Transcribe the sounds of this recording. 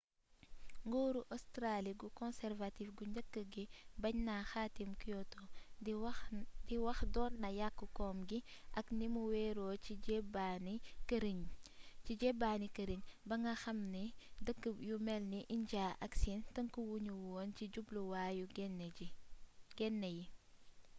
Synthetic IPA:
ŋɡoːɾuʔɔstɾaːliɡukɔnsɛrvatifɡuɲɟɐkːəɡibɐɲnaxaːtimkijɔtɔ | tiwɐxdɔːnːɐjakːəkɔːmɡiʔɐknimuwɛːɾɔːt͡ʃiɟɛbanikəɾiɲciɟɛbaːnikəɾiɲbɐŋɡɐxɐmnidəkːəjumɛlniʔiɲɟaːʔɐksintɐŋkuwuɲuwɔːnt͡ʃiɟubluwaːjuɡ | ɡ̥ɛnːɛji

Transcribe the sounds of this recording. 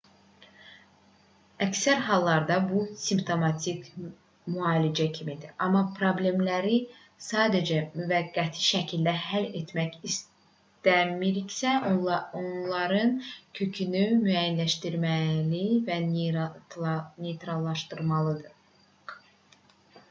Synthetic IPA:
æcsæɾɦɑlˠːɑɾd̪ɑbusimpt̪ʰo̞mɑt̪ʰik | myɑːlid͡ʒæcʰimid̪iʔɑmːɑpʰɾoblʲe̞mlæɾi | sɑːd̪ed͡ʒæmyvæɡːæt̪ʰiʃæcʰild̪æɦælet̪ʰmæçis | t̪æmiɾicsæonlˠɑɾɯncʰø̞cʰynymyæjænlæʃt̪iɾmælivæ | ne̞jt̪ɾɑlˠːɑʃt̪ɯɾmɑlˠɯd̪ɯ

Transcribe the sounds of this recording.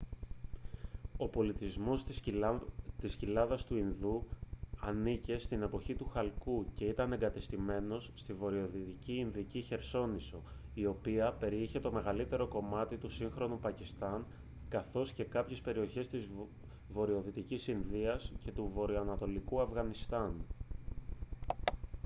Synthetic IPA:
o̞po̞lit̪izmo̞s | t̪iscilɐðɐst̪uinðuɐnice̞st̪ine̞po̞çit̪uxɐlkuce̞it̪ɐne̞ŋɡɐt̪est̪ime̞no̞sːt̪ivo̞ɾio̞ðit̪iciːnðiciçe̞ɾso̞niso̞ | io̞piɐpe̞ɾiçe̞t̪o̞me̞ɣɐlit̪e̞ɾo̞ko̞mɐt̪it̪usiŋxɾo̞nupɐcist̪ɐŋ | kɐθo̞sce̞kɐpçespe̞ɾio̞çe̞st̪iz | vo̞ɾio̞ðit̪icisinðiɐsce̞t̪uvo̞ɾioɐnɐt̪o̞likuɐfɣɐnist̪ɐn

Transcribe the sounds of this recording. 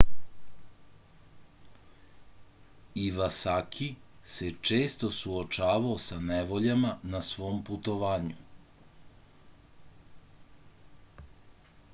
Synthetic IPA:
iʋasakʰise̞t͡ʃe̞ːst̪osuot͡ʃaːʋaosaneʋo̞ʎamanasʋo̞ːmput̪o̞ʋaːɲu

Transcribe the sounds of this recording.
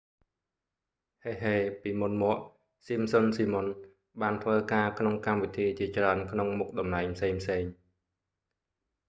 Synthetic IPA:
heːɦeːpiːmunmɔ̆əʔ | simsonsiːmon | ɓaːnt̪ʰʋəːkaːkʰnoŋkamʋit̪ʰiːt͡ɕiət͡ɕraənkʰnoŋmuk̚ɗɑmnaɛŋpʰseːŋpʰseːŋ

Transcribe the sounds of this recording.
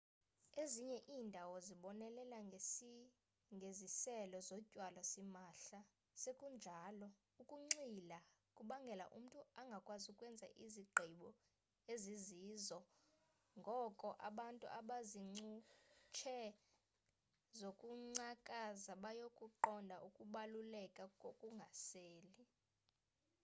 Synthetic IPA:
eziɲɛʔiːndʱawɔziɓɔnɛlɛlai | ŋɡʱezisɛlɔzɔcʼwalɔsimaːɬa | sekʼund͡ʒʱalɔ | ukʼuŋ͡ǀilakʼuɓaŋɡʱɛla̰ʔṵm̩tʼuaŋɡʱakʼwazukʼwɛnd͡zʱa̰ʔiziɡ͡ǃʱiɓɔ | eziziːzɔ | ŋɡʱɔkʼɔʔaɓantʼṵʔaɓaziŋ͡ǀut͡ʃʰɛ | zokʼuŋ͡ǀakʼazaɓajokʼuǃɔndʱaʔukʼuɓalulɛkʼakʼokʼuŋɡʱaseːli

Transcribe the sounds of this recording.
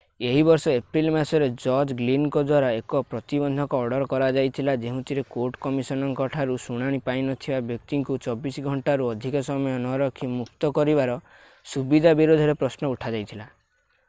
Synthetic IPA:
eɦibɔɾsɔepɾilmasɔɾed͡ʒɔɾd͡ʒɡlinkɔd̪waɾaekɔpɾɔt̪ibɔnd̪ʱɔkɔːɽɔɾɔkɔɾad͡ʒajt̪ʰilad͡ʒeɦũt̪ʰiɾekoɾʈkɔmisɔnɔŋkɔʈʰaɾusuɽ̃aɽ̃ipaĩnɔt̪ʰibabjɔk̚t̪iŋkut͡ʃɔbisɡʱɔɳʈaɾuɔd̪ʱikɔsɔmɔjɔnɔɾɔkʰimukt̪ɔkɔɾibaɾɔ | subid̪ʱabiɾod̪ʱɔɾepɾɔsnɔuʈʰad͡ʒajt̪ʰila

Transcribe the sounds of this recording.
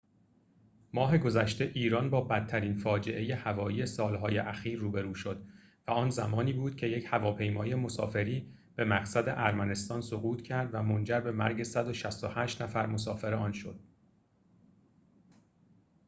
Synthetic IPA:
mɒːɦe̞ɡo̞zæʃt̪e̞ʔiːɾɒːnbɒːbæt̪̚ʰːæɾiːnfɒːd͡ʒe̞ʔe̞je̞hævɒːjiːje̞sɒːlɦɒːje̞ʔæxiːɾːuːbe̞ɾuːʃo̞d̪̥væɒːnzæmɒːniːbuːd̪̥̚cʰe̞je̞chævɒːpʰe̞jmɒːje̞mo̞sɒ̰ːfe̞ɾiː | b̥e̞mæɣsæd̪e̞ʔæɾmæne̞st̪ɒːnsoɣuːt̪ʰcʰæɾd̪væmo̞nd͡ʒæɾbe̞mæ̰ɾɟe̞sæd̪o̞ʃæst̪ohæːʃt̪næfæɾmo̞s̬ɒːfeɾeɒːnʃo̞̰d̪̥

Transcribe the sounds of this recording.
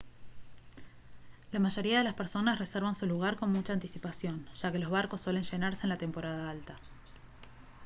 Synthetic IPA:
lamaʒo̞ɾiaðe̞laspeɾso̞nasre̞seɾβansuluɣ̞aɾko̞nmut͡ʃaːnt̪isipasjo̞nʒ̥ake̞lozβaɾko̞sːwele̞nʃe̞naɾseːnlat̪e̞mpo̞ɾað̞aalt̪a

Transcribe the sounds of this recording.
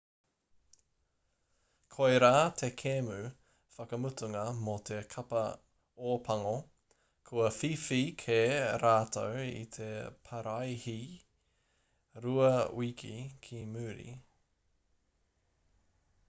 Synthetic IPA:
kʰojɾaːt̪ʰekʰemʉ | fɐkɐmut̪ʰuŋɐmot̪ʰekʰɐpɐ | oːpʰɐŋo | kʰuɐfifikʰeɾaːt̪ʰowḭt̪ʰepʰɐɾɐjhi | ɾuɐwikʰḭkʰimʉːɾḭ

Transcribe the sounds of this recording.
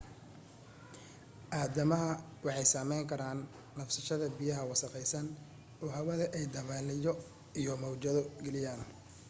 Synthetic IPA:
ʔaːd̪ɐmɐɦɐ | wɑħɑjsaːmɛjŋkʰɐɾaːnː | ɐfsɐʃɐðɐbijɐɦɐwɑsɐqɛjsɐn | ɔːɦɐwɐðɐʔɛjd̪ɐβaːlɪjɔ | ijɔmɔwt͡ʃɐðɔɡɛlɪjaːn

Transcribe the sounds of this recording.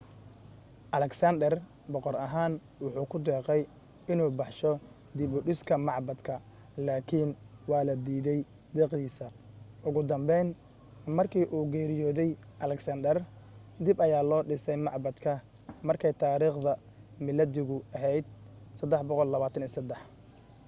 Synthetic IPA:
ʔɐlɛksɐnd̪ɛr | bɔqɔɾɐɦaːn | wʊħuːkʰʊd̪ɛːqɛj | ɪnuːbɑħʃɔ | d̪ɪbʊɖɪskʰɐmɑʕbɐd̪kʰɐ | laːkʰinwɑːlɐd̪iːðɛj | d̪ɛːqd̪iːsɐ | ʔʊɣʊd̪ɐmbɛjn | mɐrkʰiːʔuːɡɛːɾɪjɔːðɛjʔɐlɛksɐnd̪ɛrd̪ɪbɐjaːlɔːɖɪsɛjmɑʕbɐd̪kʰɐ | mɐrkʰɛjt̪ʰaːɾiːχðɐ | mɪlɐd̪ɪɣʊɐɦɛjd̪̚sɐd̪ɛħbɔqɔlːɐβaːt̪ʰɐniːsɐd̪ɛħ

